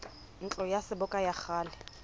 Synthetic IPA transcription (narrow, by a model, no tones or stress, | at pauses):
n̩t͡ɬʼɔjasɪbʊkʼajaχaːlɛ